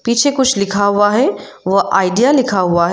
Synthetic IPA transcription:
piːt͡ʃʰekʊt͡ʃʰlɪkʰaɦʊaɦɛ | ʋɐʔaːɪɖijalɪkʰaɦʊaɦɛ

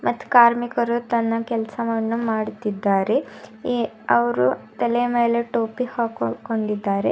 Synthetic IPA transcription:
mɐt̪ːu̥kaːɾmikɐɾut̪ɐnːɐkɛlɐsɐʋɐnːumaːɽt̪id̪ːaːɾe | ɐʋɐɾut̪ɐlemeːleʈoːpihaːkkoɳɖid̪ːaːɾḛ

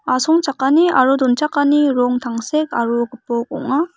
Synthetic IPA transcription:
asʰoŋt͡ɕʰak͈ːaniaɾudont͡ɕʰakaniɾoŋt̪aŋsʰekaɾukɯpːoko̰ŋa

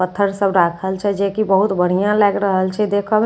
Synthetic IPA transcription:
ət̪ʰːəɾsəbɾakʰəlt͡ʃʰɛd͡ʒekibəɦut̪bəɽ̤ijãlɛɡɾəɦəlt͡ʃʰɛd̪ekʰəb

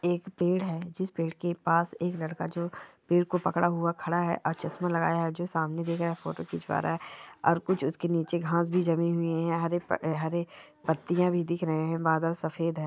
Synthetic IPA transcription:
eːkpeːɽɦɛːd͡ʒɪspeːɽkepaːseːklɐɽkad͡ʒoːpeːɽ̚kopɐkɽaɦʊakʰɐɽaɦɛ̰ʔɔːɾt͡ʃɐsmalɐɡa̰ːjaɦɛd͡ʒoːsaːmned̪eːkʰɾaɦɛfo̰ːʈokit͡ʃʰʋa̰ːɾaɦɛɔ̰ːɾkʊt͡ʃʰʊskeniːt͡ʃeɡʱãːsbʱid͡ʒɐmiɦʊeɦɛ̃ɦɐɾeɦɐɾe | pɐt̪ːijãbʱid̪ɪkʰɾɐɦẽɦɛ̃baːd̪əlsɐfeːd̪ɦɛː

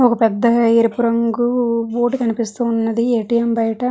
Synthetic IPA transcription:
ɔkɐpɛd̪ːɐeːɾipuɾɐŋɡuʋoːʈikɐnipist̪uːnːɐd̪ieːʈiːjɐmbɐjʈɐ

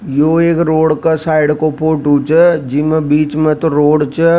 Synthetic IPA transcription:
joːeːkɾoːɽkasaːɪɖkopʰoːʈuːt͡ʃəd͡ʒɪmebiːt͡ʃmẽt̪oɾoːɽt͡ʃə

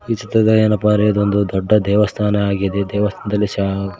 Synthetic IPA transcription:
it͡ʃit̪ɐd̪ɐɐnɐpaːɾeɐd̪ond̪ud̪ɔɖːɐd̪ɛːʋɐst̪ʰaːnɐːɡid̪ed̪ɛːʋɐst̪ʰaːnɐd̪ɐlːiʃa

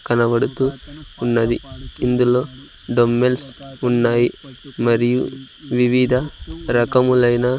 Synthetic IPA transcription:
kɐnɐʋɐɽut̪uunːɐd̪iind̪uloː | ɖomːelsunːaːjimɐɾiju | ʋiʋid̪ʱɐɾɐkɐmulɐjnɐ

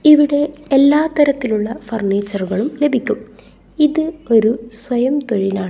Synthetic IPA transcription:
iʋiɽe̞elːaːt̪ɐɾɐt̪ːiluɭːɐfɐrɳeːt͡ɕːɐrɣɐɭumle̞bʱikʲːum | iðɨo̞ɾuswɐjɐmt̪oɻinaːɳɨ

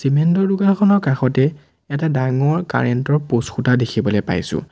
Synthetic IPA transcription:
simɛntɔɹduɡakʰɔnɔɹkaxɔtɛ | ɛtadaŋɔɹka̰ɹɛntɔɹposxutadekʰibɔlɛpa̰jsʊ̰̃

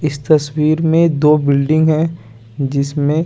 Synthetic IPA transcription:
ɪst̪ɐswiːɾmẽd̪oːbɪlɖɪ̃ŋɡɦɛ̃ | d͡ʒɪsmẽ

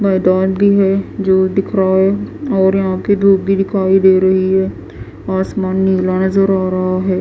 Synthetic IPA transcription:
bɐɪd̪aːlbʱiɦɛd͡ʒoːd̪ɪkʰɾaaɦɛɔːɾjɐɦãped̪ʱuːk̚ɡid̪ɪkʰaːid̪eːɾɐɦiɦɛː | aːsmaːnːiːlanɐzəɾaːɾɐɦaɦɛː

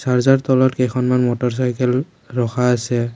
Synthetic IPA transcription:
saɹzaɹt̪ɔlɔtkɛxʰɔnmanmɔtɔɹs̬ajkɛl | ɹɔxʰaːsɛ

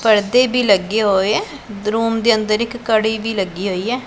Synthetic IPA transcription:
pəɾd̪eːbiːləɡːeːɦoːeɛː | d̪ɾuːmd̪eːənd̪əɾɪkːəɽiːbiːləɡːiːɦoːiːɛː

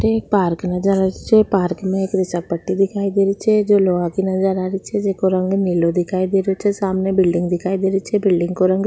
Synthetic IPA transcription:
ʈeːkpaːɾknəd͡ʒəɾaːɾit͡ʃʰɛpaːɾkmɛ̃ekɾɪsakpəʈːid̪ɪkʰaːid̪eːɾit͡ʃʰɛd͡ʒoːloːakinəd͡ʒəɾaːɾit͡ʃʰɛd͡ʒekoɾə̃ŋɡnilod̪ɪkʰaːid̪eːɾot͡ʃʰɛsaːmnebɪlɖɪ̃ŋɡd̪ɪkʰaːid̪eːɾit͡ʃʰɛbɪlɖɪ̃ŋɡkoɾə̃ŋɡ

